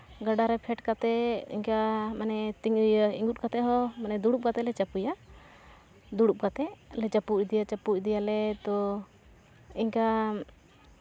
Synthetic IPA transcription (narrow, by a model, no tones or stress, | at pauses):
ɡaɖaɾɛpʰɛʈkat̪ɛḭɲkamanɛt̪iŋḭŋɡut̪̚kat̪ɛɦɔmanɛd̪uɽup̚kat̪ɛlɛt͡ʃapuja | d̪uɽup̚kat̪ɛlɛt͡ʃapuʔd̪ijat͡ʃapucd̪ijalɛt̪ɔ | iɲka